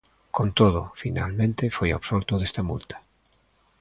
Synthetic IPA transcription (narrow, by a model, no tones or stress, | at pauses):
kõnt̪oðofina̰lmẽnt̪efoja̰βsolt̪oðest̪amṵlt̪ḁ